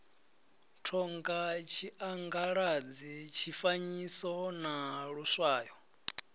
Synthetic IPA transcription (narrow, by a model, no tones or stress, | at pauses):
tʰɔŋɡat͡ʃʰiʔaŋɡaɺad͡zit͡ʃʰifaɲisɔnaɺuswaːjɔ